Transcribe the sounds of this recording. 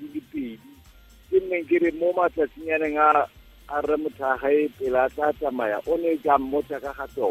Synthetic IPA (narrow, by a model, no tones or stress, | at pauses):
lɪpʼɪːdi | kʼɪn̩neŋ̩kɪɾɪmomat͡ɬʼat͡siɲanɛŋaː | rɛmʊtʰaχaɪpʼɪlat͡ɬʼatʼamaja̰ʔʊnɛt͡ʃʼam̩mɔt͡ʃʼakʼaχatɔːɔ